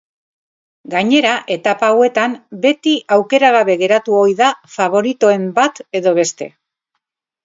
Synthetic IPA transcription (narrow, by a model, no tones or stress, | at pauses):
ɡaɲe̞ɾaʔe̞t̪apawe̞t̪ambe̞t̪iʔawke̞ɾaɣ̞aβe̞ɣe̞ɾat̪uo̞jðafaβ̞o̞ɾit̪oe̞mbat̪e̞ðo̞β̞e̞st̪e̞̰